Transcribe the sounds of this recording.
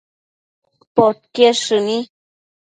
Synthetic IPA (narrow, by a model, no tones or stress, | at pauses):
pot̪̚keʂɨni